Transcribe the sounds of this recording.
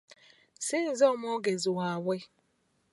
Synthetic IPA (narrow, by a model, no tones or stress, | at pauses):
sɪn̩zɔmoɡezʊɦawe